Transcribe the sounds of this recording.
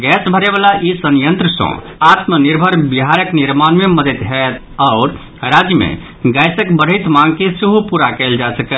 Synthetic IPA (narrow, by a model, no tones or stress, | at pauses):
ɡɛsbʱəɾebalaʔisənjənt̪ɾəsə̰̃ | at̪məniɾbʱəɾbiɦaɾəkniɾmanmeməd̪ʱət̪ɦɛt̪ | aʊɾ | ɾad͡ʒjəmḛ̃ | ɡɛjsəkbəɽ̤əjt̪mãŋɡ̚kesiɦupuɾakɛld͡ʒasəkəl